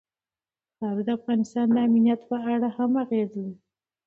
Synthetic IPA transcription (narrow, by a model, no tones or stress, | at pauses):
t̪ɑɾɪd̪əafɣɑnɪst̪ɑnd̪əaminjat̪pəaɽahamaɣezwi